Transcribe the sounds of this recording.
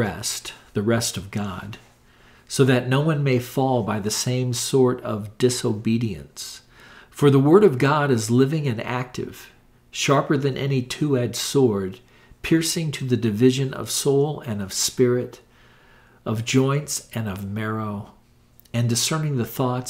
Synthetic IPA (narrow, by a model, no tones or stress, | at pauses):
ɛ̰stðɨɹɛstʌvɡɑ̰d̥ | soʊðɨtⁿnoʊwʌ̃nmeɪfɔlˠbaɪðɨsẽɪ̃msɔɹɾʌvdɪsoʊbiɾiɨ̰̃ns | fə˞ðəwɜ˞ɾʌvɡɑɾɨzlɪvɪ̃ŋɨ̃næ̰k̚tʰɪ̰v̥ | ʃɑɹpə˞ðɨ̃nʔɛ̰nitʰʉɛdsɔɹd̚ | pʰɪɹsɪ̃ŋtʰɨðɨdɨvɪʒɨ̃nʌ̰v̥soʊlˠɨ̃nʌv̥spɪɹɪɾ | ʔʌvd͡ʒɔ̃ɪ̃ntsɨ̃nʌvmɛɹoʊ | ɨ̃ndɨsɜ̃˞nɪ̃ŋðɨθɔt